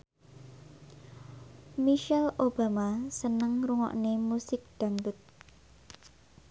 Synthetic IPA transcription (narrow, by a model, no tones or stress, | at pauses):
miʃɛlob̥a̤masənəŋruŋɔ̰ʔnemusɪk̚d̪̥a̤ŋdʊt̪̚